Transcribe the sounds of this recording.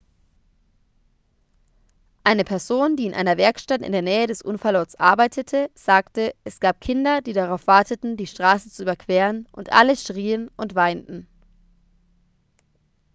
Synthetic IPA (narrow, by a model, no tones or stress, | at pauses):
ʔaɪnəpʰɛɐzoːndiːɪnʔa̰ɪnɐvɛɐkʃtatɪ̰ndeːɐnɛːədɛsʔʊnfaɐlʔɔɐsʔa̰ɐbaɪtʰətʰəz̥aːktəʔɛsɡ̥aːp̚kʰɪndɐdiːdaʁaʊfv̥aɐtʰətn̩diːʃtʁ̥aːsət͡suʔyːbɐkv̥ɛːʁənʔʊntʔa̰ləʃʁ̥iːənʔʊntv̥aɪntn̩